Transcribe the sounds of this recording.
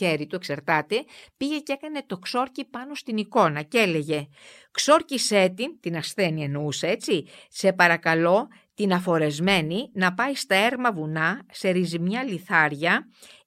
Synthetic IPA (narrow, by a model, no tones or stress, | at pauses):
eɾit̪ueksɐɾt̪ɐt̪e̞piʝe̞ce̞kɐne̞t̪o̞kso̞ɾcipɐno̞st̪iniko̞nɐcele̞ʝe̞ | kso̞ɾcise̞t̪int̪inɐsθe̞nienousee̞t͡sise̞pɐɾɐkɐlo̞ | t̪inɐfo̞ɾe̞zme̞ninɐpɐist̪ɐe̞ɾmɐvunɐse̞ɾizimɲɐliθɐɾʝɐ